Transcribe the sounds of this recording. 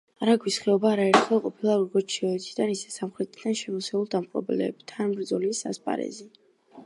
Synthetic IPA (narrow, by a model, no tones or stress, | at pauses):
aɾaɡwisχɛɔbaːɾaɛɾt̪χɛlˠqʼɔpʰilˠaɾɔɡɔɾt͡ʃʰiɔɛt̪ʰid̪anisɛ̥samχɾɛt̪ʼid̪anʃɛmɔsɛulˠd̪amqʼɾɔ̰bɛlɛ̰bt̪ʰanmbɾd̪zɔlisa̰spʼa̰ɾɛ̰zi